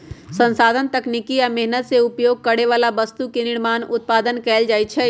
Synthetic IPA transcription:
sə̃nsaːd̪ʱənt̪əknikiamɛɦnət̪seupjoːɡ̚kəɽeʋalabəst̪ukenɪɽmaːnʊt̪̚paːd̪ənkɛːld͡ʒaːjt͡ʃʰɛ

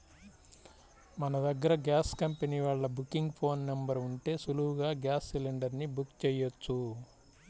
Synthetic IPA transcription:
mɐnɐd̪ɐɡːɐɾɐɡjaːskɐmpeniːʋaːɭːɐbukːiŋɡpʰo̞ːnːɐmbɐɾuɳʈe̞ːsuluuɡaːɡjaːsːileɳɖɐɾnibukt͡ʃɛːjot͡ʃːu

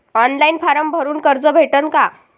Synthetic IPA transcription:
ɔnlainfaɾəmbʱəɾuːnkəɾd͡zəbʱeʈənka

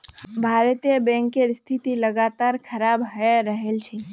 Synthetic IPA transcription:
bʱaɾət̪ebɛ̃ŋkeɾst̪ʰit̪iləɡat̪aɾkʰəɾabɦəeɾəɦelt͡ʃʰɛ

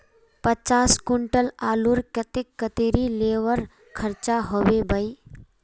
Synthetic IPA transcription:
pət͡ʃaːskʊɳʈəlaːluɾkət̪ɪkːət̪iɾileːʋəɾ | kʰəɾt͡ʃaɦoʋebəi

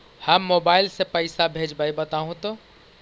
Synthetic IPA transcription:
həmːobailsepəɪsabʱed͡ʒbaibət̪aɦũt̪ɔ

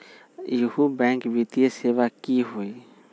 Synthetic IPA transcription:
ihubɛ̃ŋkbit̪ijeseʋakiɦoi

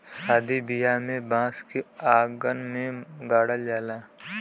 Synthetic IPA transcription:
saːd̪ʱibijamẽbãːskiaːɡənmẽɡaːɽəld͡ʒaːlaː

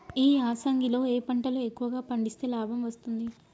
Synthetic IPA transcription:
iːaːsɐŋɡilo̞ːeːpɐɳʈɐluekːuʋɐɡaːpɐɳɖist̪e̞ːlaːbʱɐmʋɐst̪und̪i

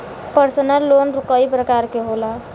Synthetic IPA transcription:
pəɾsənəlːonɾukəjpɾəkaɾkeɦola

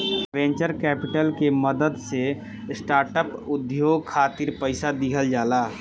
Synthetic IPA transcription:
ʋẽːɲt͡ʃəɾkɛːpɪʈəlkeməd̪əd̪se | sʈaːɾʈəpʊd̪joːɡ̚kʰaːt̪ɪɾpəɪsad̪ɪkʰəld͡ʒaːlaː

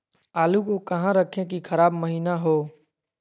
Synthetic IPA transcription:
aːlukokɐɦãɾəkʰẽk̬ikʰɐɾaːbməɦiːnaɦoː

